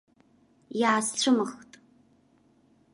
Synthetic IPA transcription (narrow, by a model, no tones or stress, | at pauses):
jaːst͡ɕʷʰɨmɨxtʼ